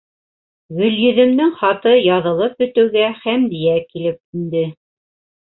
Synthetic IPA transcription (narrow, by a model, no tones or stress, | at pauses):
ɡɵ̆ljɵ̆ðɘ̆md̪ɘŋχɑt̪ɤjɑðɤ̆lˠɤp̚ɵ̆t̪ɘ̆wɡæhæmd̪ijækilɘp̚ind̪ɘ